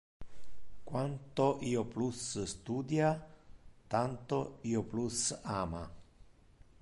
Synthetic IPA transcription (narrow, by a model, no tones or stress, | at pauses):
kwant̪oʔiːoplusst̪uːd̪ja | t̪ant̪oiːoplusaːma̰